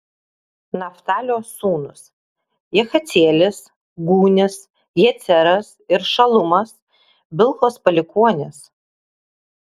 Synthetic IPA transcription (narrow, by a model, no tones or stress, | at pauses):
nɐft̪ɑːlʲoːsuːnʊs | jɛxɐt̪sʲeːlʲɪs | ɡuːnʲɪs | jɛt̪sʲɛɾɐsɪɾʃɐlˠʊmɐs | bʲɪlˠxoːspɐlʲɪkuɔnʲɪs